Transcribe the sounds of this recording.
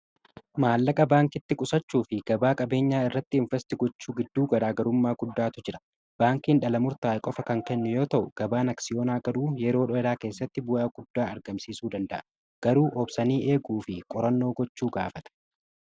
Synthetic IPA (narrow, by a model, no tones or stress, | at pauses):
maːlːɐkʼɐbaːŋkɪt̪ːɪkʼʊsɐt͡ʃːuːfɪɡ̥ɐbaːkʼɐbe̞ːɲːaːɪrːɐt̪ːɪɪɱfɛst̪ɪɡɔt͡ʃːuːɡɪd̪ːuːɡɐɾaːɡɐɾʊmːaːɡʊd̪ːaːt̪ʊd͡ʒɪɾɐ̥ | b̥aːŋkiːnᶑɐlɐmʊɾt̪aːkʼɔfɐkɐŋkɛnːʊjo̞ːt̪ɐʔʊɡ̥ɐbaːnɐksɪjo̞ːnaːɡɐɾuːjɛɾo̞ːᶑɔɛɾaːke̞ːsːɐt̪ːɪbʊjaːɡ̥ʊd̪ːaːɐɾɡɐmsiːsuːd̪ɐnd̪ɐʔɐ | ɡ̥ɐɾuːʔɔbsɐniːʔe̞ːɡuːfɪkʼɔɾɐnːo̞ːɡɔt͡ʃːuːɡaːfɐt̪ɐ̥